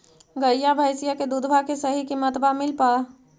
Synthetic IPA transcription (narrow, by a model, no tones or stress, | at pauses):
ɡəjjabʱaːɪsijaked̪uːd̪ʱbʱakesɐɦikimət̪bamɪlpaː